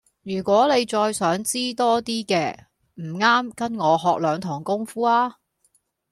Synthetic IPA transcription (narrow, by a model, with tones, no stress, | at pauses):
jyː˨˩kʷɔː˨˥ne˨˧jt͡ʃɔː˧jsœː˨˥ŋt͡siː˥t̪ɔː˥t̪iː˥kɛː˧ | m̩ː˨˩ŋaː˥mkɐ˥nŋɔː˨˧ɦɔː˨k̚lœː˨˧ŋt̪ʰɔː˨˩ŋkʊ˥ŋfuː˥aː˥